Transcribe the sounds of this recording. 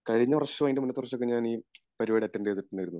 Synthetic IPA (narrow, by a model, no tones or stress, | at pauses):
kɐɻiɲːɐɐrɐɕːuʋaːjindemunːɐt̪ːurɐt͡ɕːokːeɲaːniː | pɐɾiʋɐɽiɐtːɐndeːt̪ːiʈːɐnːɐjiɾunːuð